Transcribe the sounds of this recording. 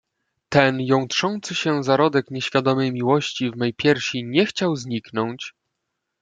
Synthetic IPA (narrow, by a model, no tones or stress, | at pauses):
t̪ɛnjɔ̃wtʂɔnt̪sɘɕɛzaɾɔd̪ɛkɲɛɕfʲjad̪ɔmɘjmʲiwɔɕt͡ɕivmɛjpʲjɛɾɕiɲɛxt͡ɕawzɲiknɔɲt͡ɕ